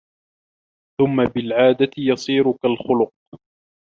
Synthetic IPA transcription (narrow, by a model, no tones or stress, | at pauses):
θʊmːabɪlʕaːd̪at̪ɪjɑsˤiːɾʊkalxʊlʊq̚